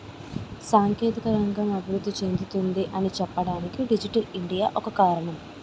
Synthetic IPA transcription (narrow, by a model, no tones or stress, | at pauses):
saːŋkjeːt̪ɐkɐɾɐŋɡɐmɐbʱiɾud̪ːit͡ʃe̞nd̪it̪und̪iʔɐnit͡ʃɛpːɐɽaːnikːɨɖid͡ʑiʈːɐliɳɖijɐʔokɐkaːɾɐɳɐm